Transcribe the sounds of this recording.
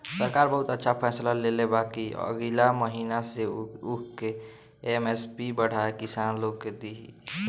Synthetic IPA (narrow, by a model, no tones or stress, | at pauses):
səɾkaɾbəɦut̪ətːʃʰapʰɛːslalelebakiə̰ɡilaməɦiːnaseukke | mespibəɽ̤aekisaːnloɡked̪iɦi